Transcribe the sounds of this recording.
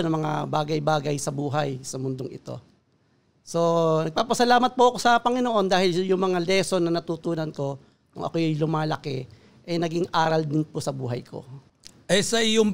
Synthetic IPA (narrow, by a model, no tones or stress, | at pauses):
nɐŋmɐŋa̰baːɡɐjbaːɡɐjsɐbuːɦɐjsɐmʊnd̪oŋɪ̰t̪o̞̰ | so̞nɐɡ̚paːpɐsɐlaːmɐt̪̚poʔɐko̞sɐpɐŋɪnoʔo̞nd̪aːhɪljʊŋmɐŋalɛːso̞nɐnɐt̪uːt̪uːnɐnko̞ | kʊ̰ŋʔɐ̰kojɐjlʊmaːlɐkɛ | ʔɛnɐɡɪŋʔaːɾɐld̪ɪnpʊsɐbṵːɦɐ̰jkʰo̞̰ | ʔɐsɐɪjʊŋ